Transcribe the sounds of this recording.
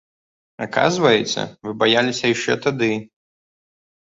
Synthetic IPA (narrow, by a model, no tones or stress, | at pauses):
aka̰zvɐjɛt͡sʲɛ̰vɨbajalʲisʲɐjaʂt͡ʂɛ̰t̪ad̪ɨ